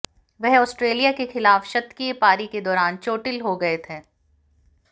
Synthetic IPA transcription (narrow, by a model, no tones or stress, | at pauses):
ʋɛɦɔːsʈɾeːlijakexɪlaːfʃɐt̪ːkiepaːɾiked̪ɔːɾaːnt͡ʃoːʈɪlɦoɡɐet̪ʰeː